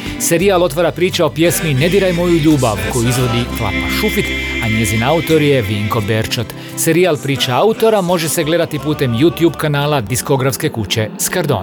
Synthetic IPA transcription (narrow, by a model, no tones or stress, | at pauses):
se̞ɾialˠo̞t̪ʋaɾapɾiːt͡ɕao̞pje̞smine̞d̪iɾajmo̞juʎuːba̰ʋko̞juizʋo̞d̪iflˠa̰pa̰ʃufit̪aɲe̞zinaut̪o̞ɾje̞ʋiːŋko̞be̞ɾt͡ʃot̪ | se̞ɾialpɾiːt͡ʃaaut̪o̞ɾamo̞ʒe̞seɡle̞d̪at̪ipuːt̪e̞mjuːt̪juːbkanaːlad̪isko̞ɡɾafske̞kut͡ɕe̞skaɾd̪o̰n